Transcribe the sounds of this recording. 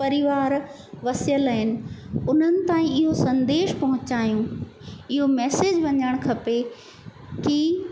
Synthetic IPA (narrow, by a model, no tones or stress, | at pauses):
pɐɾɪʋaːɾ | ʋɐsjələɦɪnɪ̆ʊn̤ənɪ̆t̪aːĩɪɦosɐ̃nd̪eːʃpɐɦʊ̃t͡ɕaːijũɪɦomɛːseːd͡ʑʋɐɲəɽ̃kʰɐpe | ki